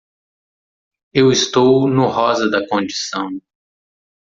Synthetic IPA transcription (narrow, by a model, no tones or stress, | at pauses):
ewist̪ownʊɦɔzɐd̪ɐkõd͡ʒisɐ̃w̃